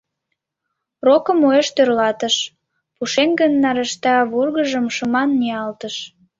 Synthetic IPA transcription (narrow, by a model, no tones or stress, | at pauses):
rokə̆mojeʃt̪ørlɑt̪əʃ | puʃenɡənːɑɾə̆ʃt̪ɑβurɣəʒəmʃəmɑnːiɑlt̪əʃ